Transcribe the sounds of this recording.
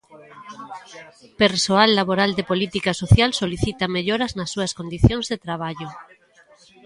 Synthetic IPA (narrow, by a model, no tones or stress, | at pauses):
peɾsoalːaβoɾald̪epolit̪ikasoθjalsoliθit̪ameʎoɾaznasːuɐskond̪iθjõŋzðet̪ɾaβ̞aʎo